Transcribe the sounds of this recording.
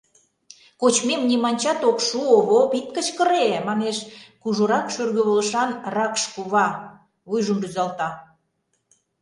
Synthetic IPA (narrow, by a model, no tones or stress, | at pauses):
kot͡ɕmemnʲimɑnʲt͡ɕɑt̪okʃuoβopit̪̚kət͡ɕkəɾemɑneʃkuʒoɾɑkʃørɣø̆βolʃɑnrɑkʃkuβɑ | βujʒəmryzɑlt̪ɑ